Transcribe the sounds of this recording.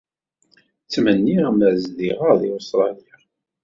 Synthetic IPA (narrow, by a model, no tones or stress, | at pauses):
t͡sːmənːiməʕzðiʁəðiust̪ɾˤɑlil